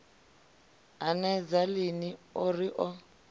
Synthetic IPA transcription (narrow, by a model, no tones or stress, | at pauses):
anɛd͡zalɪniɔriʔɔ